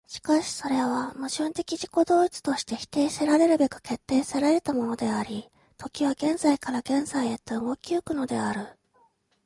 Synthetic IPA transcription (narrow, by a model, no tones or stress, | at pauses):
ɕi̥kaɕi̥so̞ɾe̞βamɯ̟ʑɨːnt̪e̞kʲiʑiko̞d̪o̞ːit͡sɨ̥t̪o̞ɕi̥t̪e̞çi̥t̪e̞ːseɾaɾe̞ɾɯ̟be̞kɯ̟̥ke̞t̪ːe̞ːseɾaeɾe̞t̪amo̞no̞d̪e̞aɾʲi | t̪ʰo̞kʲiβaɡẽ̞nzaikaɾaɡẽ̞ñzaiet̪ːeɯɡo̞kʲiokɯ̟no̞d̪e̞aɾɯ̟